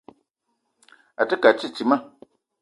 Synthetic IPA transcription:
a˨tə˦ka˨t͡ʃi˦˨t͡ʃi˨˦ma˦

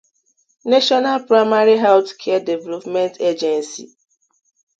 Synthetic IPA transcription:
ne˦ʃɔ˦na˦lpɾa˦ɪma˦ɾi˦ɦa˦ʊskʰɛ˦a˦de˨vɛ˦lɔ˦pmɛ̃˦ntʰe˦d͡ʒɛ˨nsḭ˨

